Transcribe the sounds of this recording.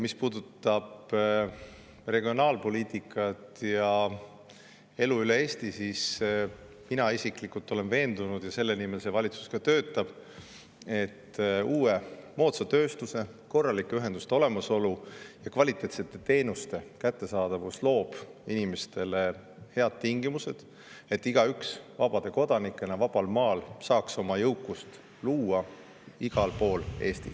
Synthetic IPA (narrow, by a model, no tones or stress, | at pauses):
mispuːd̪ut̪ːˑɑb̥ | re̞ɡio̞nɑːlpo̞liːt̪ʲˑikːˑɑt̪jɑ | e̞luylee̞ːst̪isis | minɑisikˑlikult̪ːˑo̞le̞nve̞ːnd̪̥unud̪̥jɑse̞lːe̞nime̞lse̞vɑlʲit̪su̥skɑt̪ø̞ːt̪ːˑɑb̥ | e̞t̪ːuːe̞mo̞ːt̪sɑt̪ø̞ːst̪use̞ | ko̞rːɑlikːˑeyɦe̞nd̪̥ust̪e̞o̞le̞mɑso̞lujɑkvɑlʲit̪ːˑet̪se̞t̪ːˑe̞t̪e̞ːnust̪e̞kæt̪ːe̞sɑːd̪̥ɑvuslo̞ːb̥inimest̪e̞le̞ | he̞ɑd̪̥̚t̪iŋɡ̥imuse̞d̪̥ | e̞t̪ːiɡ̥ɑyksvɑ̰b̥ɑd̪̥e̞ko̞d̪̥ɑnikːˑe̞nevɑb̥ɑlmɑːlsɑːkso̞mɑjɤwkːˑust̪ | luːɑ | iɡ̥ɑlpo̞ːle̞ːst̪i